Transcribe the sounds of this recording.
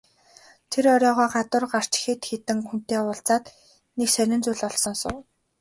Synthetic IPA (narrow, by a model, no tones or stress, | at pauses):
t̪ʰeɾɔɾʲɔːʁɔːɢat̪ʊ̆rɢar̥t͡ɕxet̪xet̪ɘ̆ŋxun̥t̪eːʊːɬt͡saːt̪ | neksœɾʲɪ̆nt͡suːɮɔɮsɞ̆ŋsʊ̰ː